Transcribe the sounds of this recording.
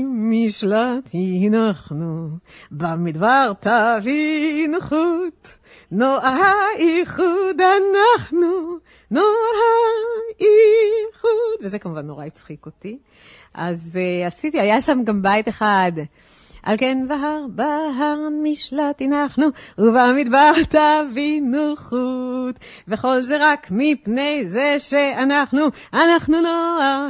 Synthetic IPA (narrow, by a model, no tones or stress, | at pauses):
miʃlat̪hihinaχnubamid̪baʁt̪avinuχut̪ | noʔaʁɦaiχud̪hanaχnu | noaʁha | iχud̪vezekamuvanːoʁait͡sχikot̪i | ʔa̰zasit̪ihajaʃamɡambajt̪eχad̪ | ʔa̰lkenbaɦaʁbaɦaʁmiʃlat̪inaχnuuvamid̪baʁt̪avinuχut̪ | ve̞χo̞lze̞ʁakmipne̞jze̞ʃeanaχnu | anaχnunoaʁ